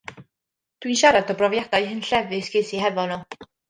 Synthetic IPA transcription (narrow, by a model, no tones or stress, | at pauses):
d̥winʃaɾadɔbrɔvjad̥ajhɨnɬɛvɨsɡ̥eːsiɦɛvɔnu